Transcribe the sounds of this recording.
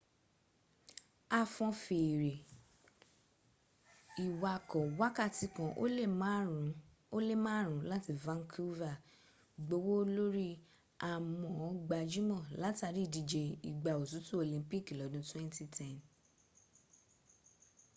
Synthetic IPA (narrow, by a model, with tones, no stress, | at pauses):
a˧fɔ̃˧fe˨ɾe˨ | i˨wa˨kɔ˨wa˦ka˦˨ti˨˧kã˧ʔ | o˦le˦˨mãː˦˨ɾ̃ũ˨˦la˦ti˧vã˦ŋkʰu˦va˦˨ | ɡ͡bo˧wo˦lo˦ɾi˦ | a˨mɔ̃˨˦ɡ͡ba˧d͡ʒu˦mɔ̃˦˨la˨˦ta˧ɾi˦˨di˧d͡ʒe˧i˨ɡ͡ba˨o˨t̬u˨˦tu˦o˧˨lĩ˧˦pi˦˨ki˨lɔ˨˦dũ˧˦twɛ̃˦nti˦tʰɛ˦˨n